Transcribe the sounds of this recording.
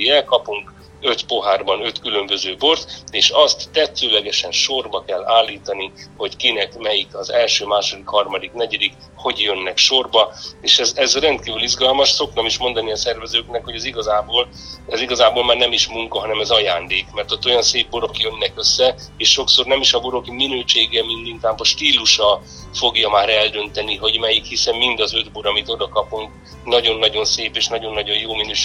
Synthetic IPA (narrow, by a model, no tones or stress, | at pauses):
ɛkɒpuŋk | ø̞t̪po̞ɦaːrbɒnø̞t̪kylø̞mbøzøːbo̞rt̪eːʃɒst̪ːɛt̪ːøːlɛɡɛʃɛnʃo̞rbɒkɛlːaːlːiːt̪ɒniho̞ckinɛkmɛjikɒzɛlʃøːmaːʃo̞d̪ikhɒrmɒd̪iknɛɟɛd̪ik | ho̞ɟjø̞nːɛkʃo̞rbɒeːʃɛzɛzrɛnt̪̚kiːvylizɡɒlmɒʃso̞k̚nɒmiʃmo̞nd̪ɒniɒsɛrvɛzøːknɛkho̞ɟɛziɡɒzaːboːl | ɛziɡɒzaːboːlmaːrnɛmiʃmuŋkɒɦɒnɛmɛzɒjaːnd̪eːkmɛrt̪o̞t̪ːo̞jɒnseːbboɾo̞kjø̞nːɛkø̞sːɛeːʃʃo̞kso̞rnɛmiʃɒboɾo̞kminøːʃeːɡɛmind̪iŋk̪aːbɒʃt̪iːlːuʃɒ | fo̞ɡjɒmaːɾɛld̪ø̞nt̪ɛniɦo̞ɟmɛjikhisɛmmind̪ɒzø̞d̪boɾɒmit̪o̞d̪ɒkɒpuŋk | nɒɟo̞nːɒɟo̞nseːpeːʃnɒɟo̞nːɒɟo̞jjoːminøːʃ